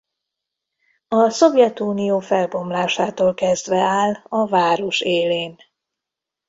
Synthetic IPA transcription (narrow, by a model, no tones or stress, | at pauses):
ɒso̞vjɛt̪uːnijoːfɛlbo̞mlaːʃaːt̪oːlkɛzd̪ʋɛaːlɒvaːɾo̞ʃeːleːn